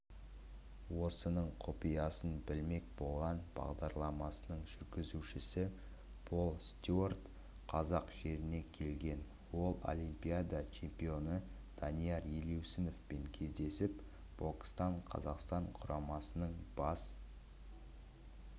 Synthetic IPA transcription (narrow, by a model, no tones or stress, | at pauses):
wo̞sənəɴqʰopijɑsənbɪlme̞k̚bo̞lˠʁɑnb̥ɑ̰ʁd̪ɑɾlˠɑmɑsənəɴʒʏɾɡʲɪzuʃɪsɪ | bʰo̞lˠst̪ʲuort̪ | qʰɑzɑqʒ̥e̞ɾɪne̞kʲʰe̞lɡʲe̞n | wo̞lˠo̰lʲijmpʲijad̪ɑt͡ʃʰe̞mpijo̞nə | d̪̥ɑnijɑɾjelewsɪno̞fpe̞ŋkʲʰe̞zd̪e̞sɪp | b̥okʲst̪ɑɴqʰɑ̰zɑqst̪ɑɴqʰʊɾɑmɑsənəɴb̥ɑs